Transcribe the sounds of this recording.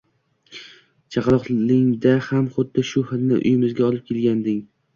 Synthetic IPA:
t͡ʃʰɑqlˠɒqlɪŋd̪ahamχʊd̪ːɪʃʊhɪnɪ̰ʔʊ̰jɪmɪzɡʲaɒlˠɪp̚kʲʰelɡʲand̪ɪŋ

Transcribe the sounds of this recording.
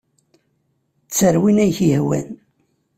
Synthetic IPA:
t͡sːəɾwinæjçihwæ̰n

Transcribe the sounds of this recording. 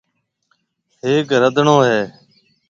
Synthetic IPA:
ɦɪːkɾəd̪ʱɳõːɦeː

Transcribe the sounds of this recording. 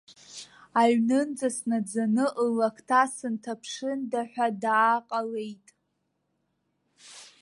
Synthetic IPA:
aɥnɨnd͡zasnad͡zanɨʔlakʰtʰasɨntʰapʰʂɨndaħʷᶣadaːqʼalejtʼ

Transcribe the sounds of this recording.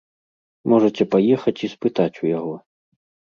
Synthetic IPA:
mɔʐɐt͡sʲɛpajɛxɐt͡sʲispɨt̪at͡sʲujaɣɔ

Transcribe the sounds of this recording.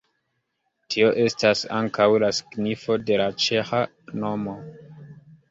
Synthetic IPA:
tʰio̞ʔe̞stasa̰ŋkawlasi̥ɡnifo̞de̞lat͡ʃe̞xa | no̞mo̞

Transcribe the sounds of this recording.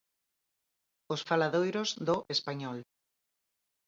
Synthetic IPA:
ʊsfalaðojɾozðʊʔespaɲɔl

